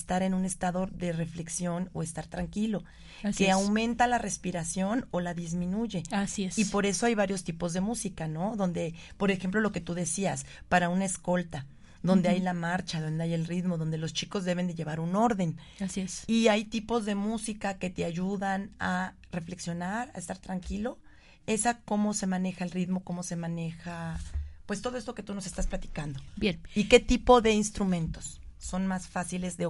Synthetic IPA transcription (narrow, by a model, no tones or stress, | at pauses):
st̪aɾe̞nũne̞st̪aðo̞ðe̞re̞fle̞ksjo̞no̰e̞st̪aɾt̪ɾaŋkilo̞ | skeawmẽ̞nt̪alare̞spiɾasjo̞no̞laðizmĩnuʝe̞asiesipo̞ɾe̞so̞ajβaɾjo̞st̪ipo̞zðe̞musikano̞ðo̞nd̪e̞po̞ɾe̞xe̞mplo̞lo̞ke̞t̪uðe̞sias | paɾaunaesko̞lt̪a | ðo̞nd̪eajlamaɾt͡ʃaðo̞nd̪eaje̞lrit̪mo̞ðo̞nd̪e̞lo̞st͡ʃiko̞zðe̞β̞e̞nd̪e̞ʝe̞β̞aɾuno̞ɾðe̞n | asiesiajt̪ipo̞zðemusikake̞t̪eaʝuðana | re̞fle̞ksjo̞naɾa̰est̪aɾt̪ɾaŋkilo̞ | e̞sako̞mo̞se̞mãne̞xae̞lrit̪mo̞ko̞mo̞se̞mãne̞xapwest̪o̞ðo̞est̪oke̞t̪uno̞se̞st̪asplat̪i̥kand̪o̞bjenike̞t̪ipo̞ðe̞inst̪ɾumẽ̞nt̪o̞̥sː | o̞nmasfasile̞zðe